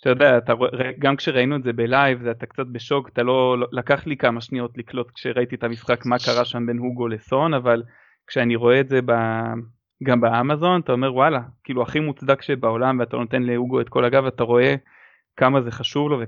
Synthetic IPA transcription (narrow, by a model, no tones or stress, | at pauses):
t̪ajodeaːt̪aʁoeʁaeɡamkʃeʁainuetze̞belajvzeat̪akt͡sat̪̚beʃo̞kḁt̪alo̞lolakaχlikamaʃnijo̞t̪liklo̞t̪kʃe̞ʁait̪iet̪amisχakmakaʁaʃambe̞nhuɡole̞so̞naval | kʃeaniʁo̞e̞ːtze̞ba | ɡambaamazo̞nat̪ao̞me̞ʁwalakiːluaχimut͡sd̪akʃebao̞lamveat̪alonot̪e̞nlehuɡoetko̞laɡavat̪aʁo̞e̞ | kamaze̞χaʃuvlo̞ve